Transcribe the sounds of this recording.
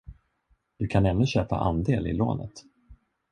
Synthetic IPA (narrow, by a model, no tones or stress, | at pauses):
d̪̥ɵkʰanɛnːɵɕøːpa̰ʔand̪eːlɪ̰lo̰ːnə̰t̪